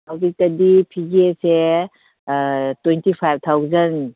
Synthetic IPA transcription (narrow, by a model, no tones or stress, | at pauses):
hɐwzik̚tɐdipʰiɡese | twentipʰajb̚t̪ʰawzɐn